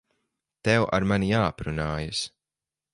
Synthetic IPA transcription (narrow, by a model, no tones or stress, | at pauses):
t̪ɛwʔa̰ɾmanijaːapɾunaːjas